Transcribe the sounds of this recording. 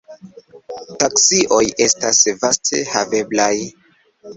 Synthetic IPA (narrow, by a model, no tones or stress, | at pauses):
taksiʔo̞je̞stasvastʰe̞̰have̞blaj